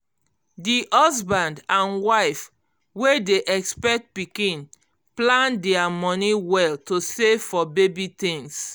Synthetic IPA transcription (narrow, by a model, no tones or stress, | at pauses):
diʔɔs̬bãndãnwaɪf | wedeʔɛkspɛk̚t̚pikĩn | plãndɛamɔniwɛltosefɔbebitĩŋs